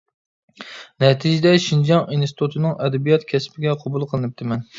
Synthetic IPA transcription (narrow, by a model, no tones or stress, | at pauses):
nɛt̪ʰid͡ʒɪd̪ɛʃind͡ʒɑŋinst̪ʰut̪ʰɨnɨŋɛd̪ɛbijɑt̪kʲʰɛspʰɪɡʲɛqʰobulˠqʰəlˠɨnɨp̚t̪ʰɨmɛn